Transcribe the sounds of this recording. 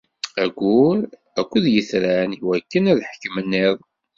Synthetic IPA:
æɡʷuɾ | ækʷːəðjəθɾanwækːənæðħə̥kːmənːɪðˤ

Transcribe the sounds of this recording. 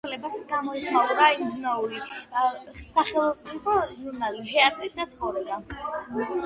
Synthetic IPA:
ɛlɛbasɡamɔiχmauɾaimd̪unauli | saχɛlˠɔsʼipʰɔʒuɾnalit̪ʰɛat̪ʼɾid̪at̪sʰχɔvɾɛba

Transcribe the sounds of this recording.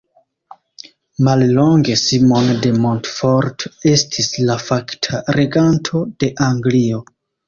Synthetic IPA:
mallo̞ŋɡe̞simonde̞montfoɾte̞stʰislafaktʰaɾe̞ɡantʰo̞d̥e̞ʔaŋɡlio

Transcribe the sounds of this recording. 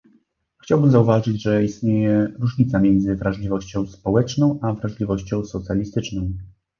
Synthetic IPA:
xt͡ɕawbɘmzauvaʐɘd͡ʑʐɛist̪ɲejɛɾuʐɲit̪samʲjɛnd̪zɘvɾaʐlʲivɔɕt͡ɕɔ̃w̃spɔwɛt͡ʂnɔ̃w̃ʔavɾaʐlʲivɔɕt͡ɕɔ̃w̃sɔt̪sʲjalʲist̪ɘt͡ʂnɔ̃w̃

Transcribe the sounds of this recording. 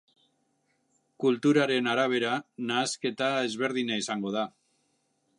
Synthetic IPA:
kult̪uɾaɾe̞naɾaβ̞e̞ɾanaːske̞t̪ae̞zβ̞e̞ɾðinaisaŋɡo̞ð̞a

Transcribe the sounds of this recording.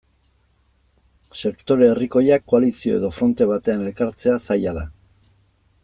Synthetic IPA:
se̞kt̪o̞ɾe̞ːriko̞jakːo̞alisio̞e̞ð̞o̞fɾo̞nt̪e̞β̞at̪e̞anelkaɾt͡se̞asajaða

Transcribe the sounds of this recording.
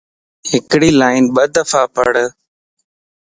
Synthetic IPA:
ɦɪkɽiːlaːɪnɓəd̪əfaːpə̰ɽ

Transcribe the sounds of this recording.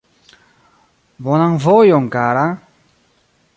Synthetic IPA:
βɔnaŋvɔjɔŋkaɾa

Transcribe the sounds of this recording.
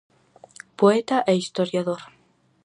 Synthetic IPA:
poet̪aʔɛist̪oɾjaðoɾ

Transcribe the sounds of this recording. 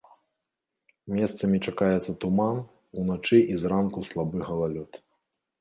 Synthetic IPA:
mʲɛst̪sɐmʲit͡ʂakajɛt̪sːɐt̪uman | unat͡ʂɨʔizramkuslˠabɨɣɐlˠalʲɔt̪

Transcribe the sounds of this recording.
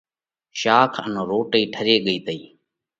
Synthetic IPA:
ʃaːkʰə̰nːɾoːʈəiːʈʰəɾeːɠəiːt̪əiː

